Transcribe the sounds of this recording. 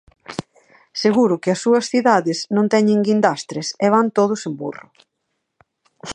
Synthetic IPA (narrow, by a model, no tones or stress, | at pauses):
seɣuɾʊkɪɐsːuɐsθiðaðɪsnõnt̪ɛɲeŋɡind̪ast̪ɾeseβ̞ant̪oð̞ʊsembṵrʊ̰